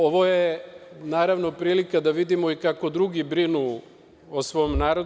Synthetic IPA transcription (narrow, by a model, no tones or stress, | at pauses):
oʋojenaːɾaʋno̞pɾiːlikad̪aʋid̪imoikako̞d̪ɾuɡibɾinu | osʋo̞mnaːɾod̪